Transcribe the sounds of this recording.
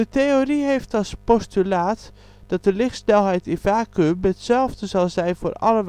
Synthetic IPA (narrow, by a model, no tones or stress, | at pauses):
əteoriɦejftɑspɔstylaːt | d̥ɑt̚d̥əlɪχtsnɛlˠɦɛjtɪvaːkømɛtsɛlˠvdəzɑlˠzɛjnvo̰ːrɑ̰ləʋ